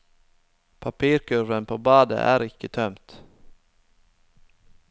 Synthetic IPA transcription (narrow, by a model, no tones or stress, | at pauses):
pʰapʰiːɾkʰɵvənpʰoːbɑːd̪ə̰ʔæ̰ːɾɪkːət̪ʰœmt̪